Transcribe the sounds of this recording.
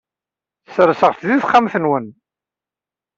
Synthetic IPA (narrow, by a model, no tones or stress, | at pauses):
sɾsəʁθðiθχːamθənwən